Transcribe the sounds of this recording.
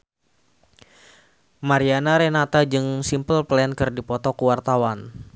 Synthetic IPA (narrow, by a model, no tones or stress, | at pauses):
maɾianaɾɛnat̪ad͡ʒɨŋsimpəlplɛnkɨrdipɔt̪ɔkəwart̪awan